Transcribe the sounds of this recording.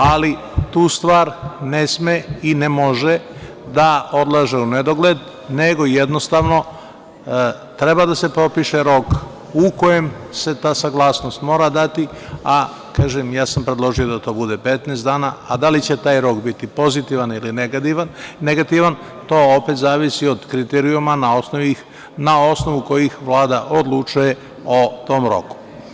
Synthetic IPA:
ali | t̪uːst̪ʋaːɾnesmeinemo̞ʒe | d̪ao̞d̪lˠaʒeuned̪o̞ɡled̪ | neɡo̞jed̪nost̪aʋno̞ | t̪ɾe̞bad̪ase̞pɾo̞piʃeɾo̞k | uko̞je̞mse̞t̪aːsaɡlˠaːsno̞st̪mo̞ːɾad̪at̪i | a | kaːʒemjaːsampɾed̪lˠo̞ʒijo̞d̪at̪o̞ːbud̪e̞pe̞t̪neːst̪d̪aːnaa̰d̪alit͡ɕe̞t̪aːjɾo̞ːkbit̪ipo̞zit̪iʋanilinaneɡat̪iʋan | t̪o̞ːopet̪zaːʋisio̞d̪kɾit̪eɾiumanaosnoi | nao̞sno̞ʋuko̞jixʋlˠaːd̪aʔod̪lˠut͡ʃuje̞ | o̞t̪o̞ːmɾo̞̰ku̥

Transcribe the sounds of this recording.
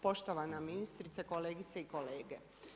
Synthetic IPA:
po̞ʃt̪oʋanaminist̪ɾit̪seko̞leːɡit̪seiko̞leːɡe

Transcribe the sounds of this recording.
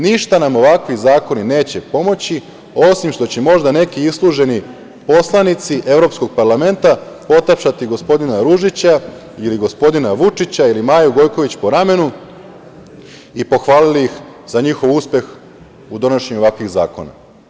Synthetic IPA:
niʃt̪anamo̞ʋakʋizaːko̞nine̞ːt͡ɕe̞po̞mo̞t͡ɕi | o̞simʃt̪o̞t͡ɕemo̞ʒd̪ane̞kiislˠuʒe̞ni | po̞slˠanit̪siʔe̞ʋɾo̞psko̞ɡ̚paɾlˠame̞nt̪apo̞t̪apʃat̪iɡo̞spo̞d̪inaɾuʒit͡ɕa | iliɡo̞spo̞d̪inaʋut͡ʂit͡ɕailimaːjuɡo̞jko̞ʋit͡ɕpo̞ɾame̞nu | ipo̞xʋaːliliixzaɲixo̞ʋuːspe̞x | ud̪o̞naʃeɲuoʋakʋiɣzaːko̞̰na̰

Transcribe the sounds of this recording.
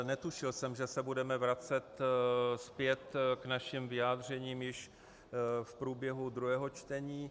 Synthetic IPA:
nɛt̪uʃɪlsɛmʒɛsɛbudɛmɛvɾat͡sɛt̪spjɛt̪knaʃimvɪaːd̪r̝ɛɲiːmjɪʃ | fpɾuːbjɛɦud̪ɾuɦɛːɦo̞t͡ʃt̪ɛɲiː

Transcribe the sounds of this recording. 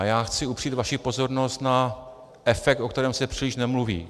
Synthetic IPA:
jaːxt͡sɪupr̝̥iːt̪vaʃipo̞zo̞ɾno̞st̪na | ʔɛfɛk̚t̪o̞k̚t̪ɛɾɛːmsɛpr̥iːlɪʃnɛmluvḭː

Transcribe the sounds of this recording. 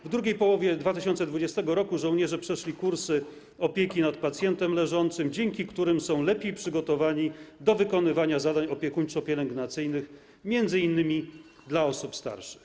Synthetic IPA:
vd̪ɾuɡʲejpɔwɔvʲjɛd̪vat̪ɘɕɔnt̪sɛd̪vud͡ʑɛst̪ɛɡɔɾɔkuʐɔ̃w̃ɲɛʐɛpʂɛʂlʲikuɾsɘ | ɔpʲjekʲinat̪̚pat̪sʲjɛnt̪ɛmlɛʐɔnt̪sɘmd͡ʑɛŋkʲikt̪uɾɘmsɔ̃w̃lɛpʲjejpʂɘɡɔt̪ɔvaɲid̪ɔvɘkɔnɘvaɲazad̪aɲɔpʲjɛkuɲt͡ʂɔpʲjɛlɛŋɡnat̪sɘjnɘx | mʲjɛnd̪zɘinːɘmʲi | d̪laɔsupst̪a̰ɾʂɘ̥x

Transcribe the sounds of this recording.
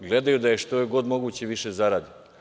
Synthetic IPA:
ɡle̞d̪ajud̪aje̞ʃt̪ojeɡo̞d̪mo̞ɡuːt͡ɕeʋiʃezaɾaːd̪i

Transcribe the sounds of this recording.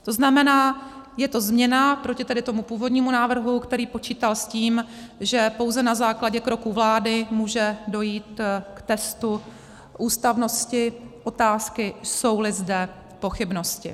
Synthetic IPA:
t̪o̞znamɛnaː | jɛt̪o̞zmɲɛnapɾo̞cɪt̪ɛdɪt̪o̞mupuːvo̞dɲiːmunaːvr̩ɦukt̪ɛɾiːpo̞t͡ʃiːt̪alsciːmʒɛpo̞wzɛnazaːklaɟɛkɾo̞kuvlaːdɪmuːʒɛdo̞jiːt̪kt̪ɛst̪u | ʔuːst̪avno̞scɪʔo̞t̪aːskɪso̞wlɪzdɛ | po̞xɪbno̞scɪ̰

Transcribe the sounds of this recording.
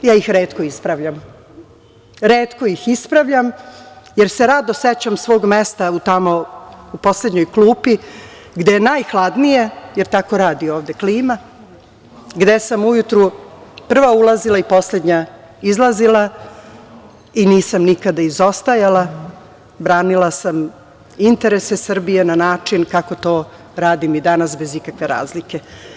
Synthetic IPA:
jaːixɾe̞ːt̪koispɾaʋʎam | ɾe̞ːt̪ko̞ixispɾaʋʎamjeɾse̞ɾad̪oset͡ɕamsʋo̞ːɡmest̪aut̪amo̞upo̞sled̪ɲo̞jklˠuːpi | ɡd̪ejenajxlˠad̪nije̞jeɾt̪ako̞ɾaːd̪io̞ːʋd̪e̞kliːma | ɡd̪e̞samujut̪ɾupr̩ʋaulˠazilˠaipo̞sle̞d̪ɲa | izlˠazilˠa | iniːsamnikad̪aizo̞st̪ajala | bɾaːnilˠasam | int̪e̞ɾese̞sr̩bije̞nanaːt͡ʂinkako̞t̪oː | ɾaːd̪imid̪anasbe̞zikakʋe̞ɾa̰ːzlike̞

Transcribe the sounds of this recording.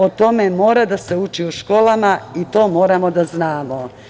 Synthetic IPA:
o̞t̪o̞me̞mo̞ːɾad̪ase̞ut͡ʃiuʃko̞ːlamait̪o̞ːmo̞ːɾamo̞d̪aznaːmo

